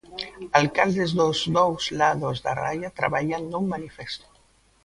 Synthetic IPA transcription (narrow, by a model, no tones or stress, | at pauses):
alkald̪ezðozdowzlaðozða̰ra̰jat̪ɾa̰βaʎand̪ummanifest̪o̥